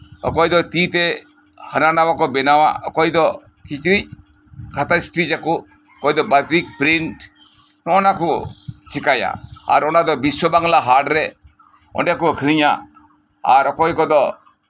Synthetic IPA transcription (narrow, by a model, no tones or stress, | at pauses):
ɔ̰kɔjd̪ɔt̪it̪ɛ | hənanawakɔbɛnawa̰ɔkɔjd̪ɔ | kit͡ʃɾic̚ | kʰat̪asʈɾid͡ʒaku | ɔkɔjd̪ɔbat̪ɾik̚pɾiɳʈ | nɔnakut͡ʃikaja̰a̰ɾɔnad̪ɔbiswɔbaŋlaɦaɾɖɾɛ | ɔ̰ɳɖɛkukʰɾiɲa̰ | a̰ɾɔkɔjkɔd̪ɔ